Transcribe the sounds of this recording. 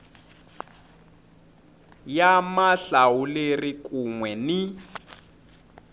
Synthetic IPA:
jamaɬawulerikʼuŋwɛni

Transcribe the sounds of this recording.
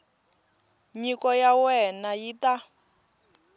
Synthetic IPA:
ɲikɔjawɛnajita

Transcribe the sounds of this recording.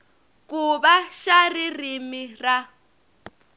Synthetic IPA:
kʼuɓaʃaririmira

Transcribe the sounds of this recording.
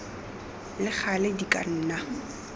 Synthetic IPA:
lɪχʰalɪdikʼa̰n̩ːna

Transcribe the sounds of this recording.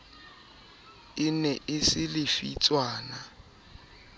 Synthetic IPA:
ɪnɛʔɪsɪlɪfit͡sʼwaːna

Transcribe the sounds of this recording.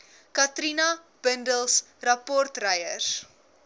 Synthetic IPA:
kɐtrinɐ | b̥əndəlˠs | rɐpɔrtrɐjər

